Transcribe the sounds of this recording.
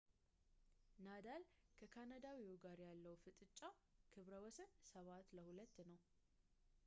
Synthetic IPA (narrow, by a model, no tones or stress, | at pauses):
nad̪alkʰəkʰanad̪awiwuɡaɾjalːəwfɨt̪ʼɨt͡ʃʼːa | kʰɨβɾəwɔsənsəβat̪ləhulət̪ːnəw